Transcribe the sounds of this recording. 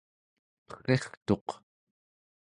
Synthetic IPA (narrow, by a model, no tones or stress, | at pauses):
pə̥xeχt̪o̞q